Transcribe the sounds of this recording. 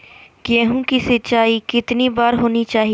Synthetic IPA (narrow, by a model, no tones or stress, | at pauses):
kɛːɦũkisɐtːt͡ʃaːikɪt̪nibaːɾɦoːnit͡ʃaːɦi